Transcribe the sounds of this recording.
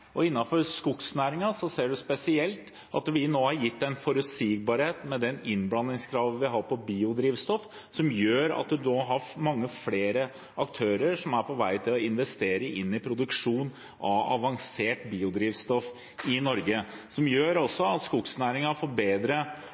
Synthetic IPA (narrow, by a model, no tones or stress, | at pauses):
ʔɔɪnːɑfɔɾskʊksnæːɾɪŋɑsɔseːɖʉspɛsɪɛlt̪ | ʔɑ̰t̪ʋɪnoːhɑɾjɪt̪ːɛnfɔɾʉt̪siːɡ̚bɑːɾheːt̪mɛd̪ɛnɪnblɑnːɪŋskʰɾɑːʋʋɪɦɑːɾpɔbiːʊd̪ɾiːʋst̪ɔf | sɔmjøːɾɑ̰t̪̚d̪ʉd̪ɦɑɾmɑŋːəfleːɾə | ɑkt̪ʰøːɾəɾʂɔmæɾpʰɔʋæɪt̪ʰɪlɔɪnʋɛst̪eːɾəʔɪnːɪpʰɾʊd̪ʉkʂuːn | ɑ̰ʋɑ̰ʋɑŋseːʈbiːʊd̪ɾiːʋst̪ɔf | ɪnɔɾɡə | sɔmjøːɾɔsːɔɑt̪skʊksnæːɾɪŋɑfɔɾbeːd̪ɾə